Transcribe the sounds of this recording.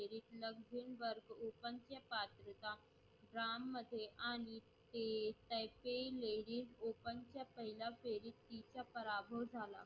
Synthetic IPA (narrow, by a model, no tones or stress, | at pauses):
eɾiːt̪ləɡzʱinʋəɾɡopənt͡ɕjəpat̪ɾək̪a | ɖɾamːəd̪ʱːjeʔaɽ̃i | t̪et̪əjpeileɾiːsopənt͡ɕjapəɦilafeɾit̪ːit͡ɕjapəɾabʱəʋd͡zʱala̰